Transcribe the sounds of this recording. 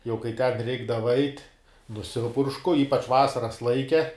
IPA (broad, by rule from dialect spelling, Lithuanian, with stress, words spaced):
jɛʊ kɐɪ tʲɛn ˈrʲɛɪɡdɐʋɐ ɐɪtʲ nʊˈsʲɪpʊrʃkʊ ˈiːpɐt͡ʃ ˈʋɑːsɐrɐs ˈlˠɐɪkʲɛ